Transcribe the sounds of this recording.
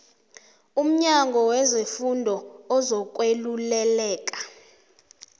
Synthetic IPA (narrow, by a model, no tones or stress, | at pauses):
um̩ɲaŋɡʱɔwɛzefundʱɔɔzɔk̬ʼwelulɛlɛːk̬ʼḁ